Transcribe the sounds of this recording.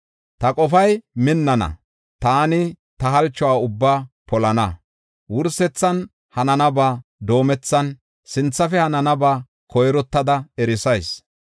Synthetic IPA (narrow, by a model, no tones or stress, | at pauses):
t̪ɐkʼɔfɐjmɪnːɐnɐ̰ | t̪aːnɪ | t̪ɐɦɐlt͡ʃːɔwaːʊbːaː | pɔlɐnɐ | wʊɾsɛt͡sːɐn | hɐnɐnɐbaːd̪o̞ːmɛt͡sːɐn | sɪnt͡sːɐfɛhɐnɐnɐbaː | kʰɔjɾɔt̪ːɐd̪ɐɛɾɪsɐjs